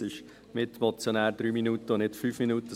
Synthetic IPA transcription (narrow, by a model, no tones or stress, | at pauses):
ɪʃ | mɪt̪mɔt͡sjonæːɾd̥̪ɾyːminuːt̪əʊnɪtfyːfminuːtə